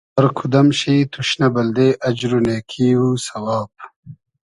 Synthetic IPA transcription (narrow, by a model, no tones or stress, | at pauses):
ɐɾkʰud̪ɐmɕiːt̪ʰuɕnɐbɐld̪eʔɐd͡ʑɾuneːkʰiːwusɐwaːb̚